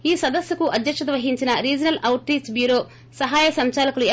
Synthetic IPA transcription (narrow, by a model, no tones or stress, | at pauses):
iːsɐd̪ɐsjɐkuʔɐd̪jɐkʂɐd̪ʋɐɦiɲt͡ʃinɐɾiːd͡ʒɐnɐlʔɐwʈɾiːsbjuːɾo̞ː | sɐɦaːjɐsɐmt͡ʃaːlɐkɐlue